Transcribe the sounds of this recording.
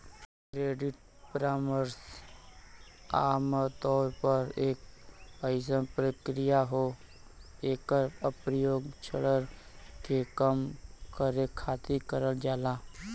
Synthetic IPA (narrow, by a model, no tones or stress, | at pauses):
kɾeːɖɪʈ̚ | pɾaːməɾs | aːmt̪ɔːɾpəɾeːkəjsənpɾəkɾɪjaɦo | eːkəɾəpɾəjoːɡt͡ʃʰəɽəɾkekəmkəɾekʰaːt̪ikəɾəld͡ʒaːlaː